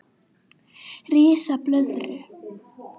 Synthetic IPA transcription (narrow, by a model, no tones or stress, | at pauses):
riːsaplœðɾʏ